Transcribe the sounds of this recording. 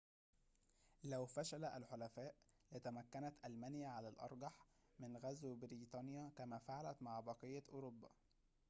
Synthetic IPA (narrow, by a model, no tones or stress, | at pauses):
læwfæʃælæʔælħolæfæːʔlɪt̪æmækːænæt̪ʔælmænjæʕalælʔɑ̰ɾˤɡɑħ | mɪnɣæzwɪbɪɾiːt̪ˤɑːnjækæmæːfaʕalæt̪maʕbɑqɨjːæʔoɾobːæ̰